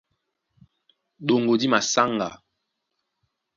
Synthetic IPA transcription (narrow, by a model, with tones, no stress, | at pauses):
ɗo˨ŋɡo˨di˦ma˨sa˦ŋɡa̰˨